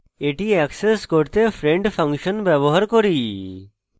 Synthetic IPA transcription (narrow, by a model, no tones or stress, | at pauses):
eʈiɛkseskoɾt̪efʰɾeɳɖpʰəŋʃɔnbɛboɦaɾkoɾi